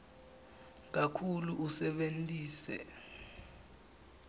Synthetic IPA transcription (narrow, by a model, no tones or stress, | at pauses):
k̬akʰuluʔusɛɓentʼiːsɛ̰